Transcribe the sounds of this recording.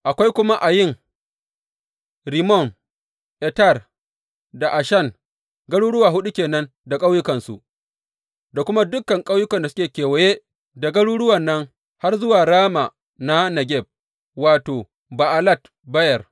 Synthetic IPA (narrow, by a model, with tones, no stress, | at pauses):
ʔa˨kʷa˦jkʷʊ˦ma˦ʔa˨jɪ˦˨ŋ | ɾi˨mɔ˦˨n | ʔɛ˨ta˦˨r | da˨ʔa˨ʃɐ˦˨n | ɡɐ˦ɽuː˦ɽʊ˦waː˨ɦʊ˦ɗu˦kʲeː˨nɐ˦n | da˨kʼa˦wjʊ˦kɐ˨nsṵ˨ʔ | da˨kʷʊ˦ma˦dʊ˦kːɐ˨ŋkʼa˦wjʊ˦kɐ˨nda˨sʊ̥˦kʲeː˨kʲeː˨wɛ˨je˦ | da˨ɡɐ˦ɽuː˦ɽʊ˦wɐ˨nːɐ˦ŋ | ha˦rzʊ˦waː˨ɽaː˦ma˨ | na˦nɐ˨ɡʲɛ˦˨b̚ | waː˨toː˨ | ba˨ʔa˨la˦t | bɐ˦jɛ˨r